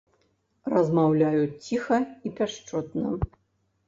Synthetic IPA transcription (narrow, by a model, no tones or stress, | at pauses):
rɐzmawlʲajut͡sʲixɐipʲaʂt͡ʂɔt̪nɐ